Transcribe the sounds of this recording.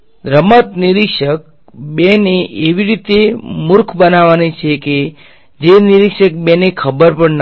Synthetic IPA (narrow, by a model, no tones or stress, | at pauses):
d̪ɾəmət̪niɾikʃək̚ | beneʔeʋiɾit̪emʊɾkʰbənaʋanit͡ʃʰeke | d͡ʒeniɾikʃək̚benekʰəbəɾpəɳn